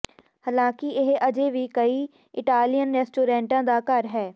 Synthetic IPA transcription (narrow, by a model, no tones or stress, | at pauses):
həlãːkɪɪɦəd͡ʒeːʋiːkəiː | ɪʈaːlijənɾɛːsʈuːɾɛ̃ːɳʈãːd̪aːkəɾɦɛː